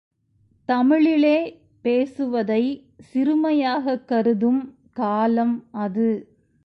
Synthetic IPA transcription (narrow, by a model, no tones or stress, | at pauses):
t̪ɐmɪɭɪleː | peːsɯʋɐðɐɪ | sɪɾɯmɐjaːɣɐkːɐɾɯðɯm | kaːlɐmɐðɯ